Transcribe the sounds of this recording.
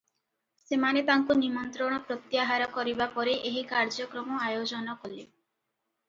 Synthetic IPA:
semanepaŋkunimɔnt̪ɾɔɽ̃ɔpɾot̪ːjaɦaɾɔkɔɾibapɔɾeʔeɦikaɾd͡ʒɔkɾɔmɔajod͡ʒɔnɔkɔle

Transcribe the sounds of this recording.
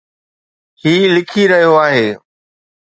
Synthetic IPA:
hiːlɪkʰiɾɐɦijoaːɦeː

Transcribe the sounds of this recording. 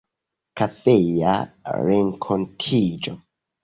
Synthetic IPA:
kafeja̰ɾeŋkʰontʰid͡ʒo̰

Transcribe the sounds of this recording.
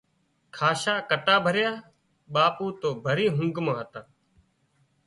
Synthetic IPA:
kʰaːʃaːkəʈaːbʱəɾjaː | ɓaːpuːt̪oːbʱəɾiːɦʊ̃ŋɡmãːɦət̪aː

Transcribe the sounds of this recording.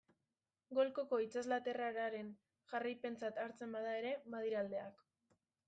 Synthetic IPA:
ɡo̞lko̞ko̞it͡sazlat̪e̞raɾaɾe̞n | ʝarajpe̞nt͡sat̪aɾt͡se̞mbað̞ae̞ɾe̞mað̞iɾald̪e̞ak

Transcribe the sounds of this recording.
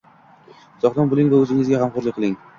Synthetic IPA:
sɒχlˠɑnbʊlˠɪŋvaɵzɪŋɪzɡʲahamχʊɾlˠɪk̚ʲqʰɨlˠɪŋ

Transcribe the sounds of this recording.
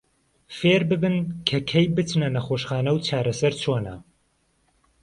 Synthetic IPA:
feːɾbɨbɨnkʰɐkʰɐjbɨt̪nɐnɐxoːʃχaːnɐwt͡ʃʰaːɾɐsɐɾt͡ʃʰoːnɐ̰

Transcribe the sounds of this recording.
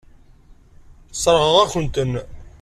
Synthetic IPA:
sˤəɾˤʁəʁæçənt̪ən

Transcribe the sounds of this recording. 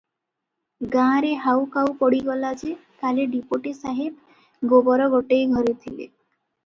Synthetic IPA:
ɡãɾeɦawkawpɔɽiɡɔlat͡ʃʰet̪aleɖipoʈisaɦeb̚ | ɡobɔɾɔɡɔʈejɡʱɔɾet̪ʰilḛ

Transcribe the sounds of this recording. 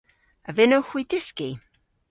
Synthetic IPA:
əvɪnoxwidɪski

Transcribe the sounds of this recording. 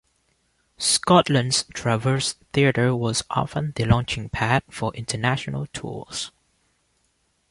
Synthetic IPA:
skɔtlə̃ndz̥tʰɹ̥avə˞sθiəɾə˞wɔzʔɔ̰fə̃nðəlɔ̃nt͡ʃɪ̃ŋpʰæt̚fəʔɪ̃ntʰənæʃənə̰lˠtʰṵz̥

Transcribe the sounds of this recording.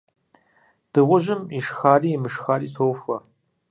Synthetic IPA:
d̥ɨʁʷʊʑɪmiʂxaːriːmɨʂxaːriːtʰoːwfʷɐ

